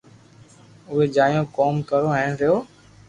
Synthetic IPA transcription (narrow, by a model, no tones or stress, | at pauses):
ʊɦeːd͡ʒaːjõːkoːmkəɾoːɦɛːɳɾɪjoː